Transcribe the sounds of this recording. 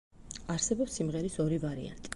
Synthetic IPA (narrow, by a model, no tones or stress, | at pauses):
aɾsɛbɔpsːimʁɛɾisɔɾivaɾḭa̰nt̪ʼi̥